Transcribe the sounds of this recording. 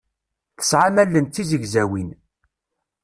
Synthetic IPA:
θə̥sʕamælːənt̪ːizəʝzæwin

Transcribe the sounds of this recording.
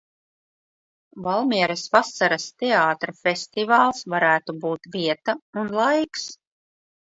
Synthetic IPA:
valˠmiɛɾɐsvasaɾast̪eaːt̪ɾafʲest̪ivaːlˠsvaɾæːt̪ubuːt̪viɛt̪aunlˠajks

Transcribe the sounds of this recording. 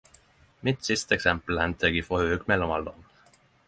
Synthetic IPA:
mit̪sist̪eksæmpl̩ænt̪ʰəɡifohøkmelomɑ̰ld̪on

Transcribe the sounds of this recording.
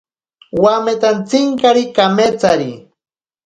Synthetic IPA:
wamet̪ant͡sɪŋkaɾikamet͡saɾi

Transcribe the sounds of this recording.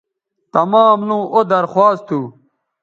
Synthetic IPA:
t̪ɐmaːmlũːʔod̪ɐɾxwaːst̪ʰuː

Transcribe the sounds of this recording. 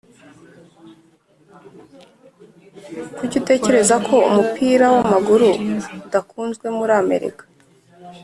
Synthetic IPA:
kuɟute̞ːce̞ɾe̞zakʰo̞ṵmupʰiːɾawamaɡuɾuudakuːnzɡwe̞muɾaːme̞̰ɾḭkḁ

